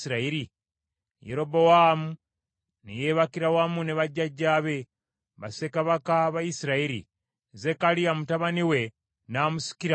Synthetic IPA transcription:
siɾaiɾi | jeɾo̞bo̞wamu | nejeːβakiɾawamuneβaɟːaɟːaːβe̞ | βasekaβakaβajisiɾaiɾḭ | ze̞kalijamutaβaniwe̞ | naːmusi̥kiɾa

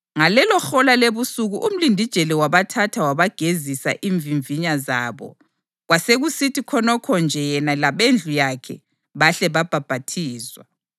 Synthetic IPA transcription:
ŋalɛlɔxɔlaleβusuɣuʔum̩lindʱid̥ʒ̥ʱelɛwaβatʰatʰawaβaɡ̥ʱezisa̰ʔiɱviɱviɲaza̰ːβɔ̰ | ɣwaseɣusitikʰɔnɔkʰɔnd͡ʒʱɛjɛnalaβend͡ɮʱujakʰɛ̰ | βaɬɛβab̥ʱab̥ʱatʰiːzwa̰

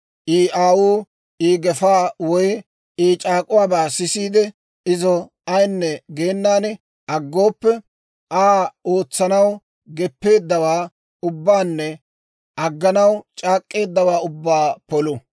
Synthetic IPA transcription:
ʔiːʔaːwuː | iːɡɛfaːwɔj | ʔiːt͡ʃʼaːkʼʊwaːbaːsɪsiːd̪ɛ | ɪzɔ | ɐjnːɛɡe̞ːnːaːn | ʔɐɡːo̞ːpːɛ | ʔaːoːt͡sːɐnɐw | ɡɛpːe̞ːd̪ːɐwaː | ʊbːaːnːɛ | ɐɡːɐnɐwt͡ʃʼaːkʼːe̞ːd̪ːɐwaːʊbːaːpɔlʊ

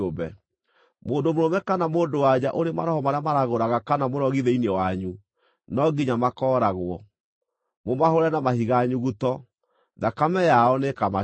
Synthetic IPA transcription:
obɛ̰ | moːndomoɾomɛkanamoːndowad͡ʑaʔoɾema̰ɾɔhɔmaɾeamaɾaɣoɾaɣakanamoɾɔɣiðɛinewaɲu | nɔɡiɲamakɔːɾaɣwɔ | momahoɾɛnamahiɣaɲuɣutɔ | ðakamɛjaɔnekama

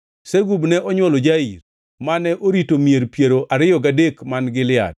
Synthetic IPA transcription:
seɡubnɛʔɔɲwɔlɔd͡ʒaiɾ | manɛʔoɾitomieɾpjeɾoʔaɾɪjɔɡadekmanɡɪlɪa̰d̚

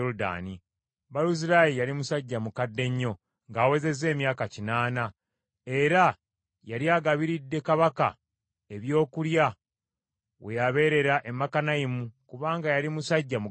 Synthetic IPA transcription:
ouda̰ːni | βaluziɾajijalimusaɟːamukadːe̞ɲːo̞ | ŋɡaːwe̞ze̞ze̞ːmjaːkacinaːna | e̞ɾa | jaɾjaːɡaβiɾidːe̞kaβaka̰ | e̞βjo̞ːkulja | we̞jaβe̞ɾe̞ɾaʔe̞mːakanajimukuβaːŋɡajalimusaɟːamu

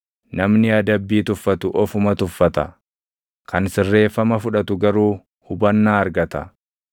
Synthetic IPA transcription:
nɐmnɪɐd̪ɐbːiːt̪ʊfːɐt̪ʊʔɔfʊmɐt̪ʊfːɐt̪ɐ | kʰɐnsɪrːe̞ːfːɐmɐfʊᶑɐt̪ʊɡɐɾuː | hʊbɐnːaːɐɾɡɐt̪ɐ̰

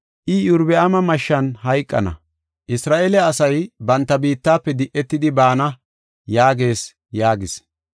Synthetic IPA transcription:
ʔɪjʊɾbɛʔɐmɐmɐʃːɐnhɐjkʼːɐ̰nɐ̰ | ʔɪsɾaːʔeːlɛɐsɐjbɐnt̪ːɐbiːt̪ːaːpːɛd̪ɪʔɛt̪ːɪd̪ɪbaːnɐ | jaːɡe̞ːs | jaːɡɪs

